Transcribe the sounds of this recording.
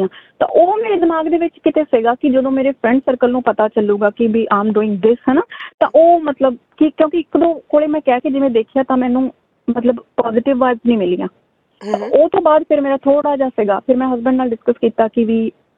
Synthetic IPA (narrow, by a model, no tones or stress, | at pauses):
ãːt̪ã̰ːʔoːmeːɾeːd̪ɪmaːɡd̪eːʋɪt͡ʃkɪt̪eːsɪɡaːkɪd͡ʒəd̪õːmeːɾeːpʰɾɛ̃ɳɖsəɾkəlnũːpət̪aːt͡ʃəluːɡaːkɪʋiːʔaːmɖoːɪ̃ŋɡd̪ɪsɦɛnaːt̪ã̰ːʔoːmət̪ləb | kikjõːkiɪkd̪õːkoːɽeːmɛ̃ːkɛːkid͡ʒɪʋẽːd̪eːkʰɪjaːt̪ãːmɛ̃ːnũː | mət̪ləbpaːzɪʈɪʋːaːɪznĩːmɪliːã̰ː | t̪ãoːt̪õːbaːd̪pʰɪɾmeːɾaːt̪ʰoːɽaːd͡ʒaːsɪːɡa̰ːpʰɪɾmɛ̃ːɦəzbəɳɖnaːlɖɪskəskiːt̪aːkɪʋiː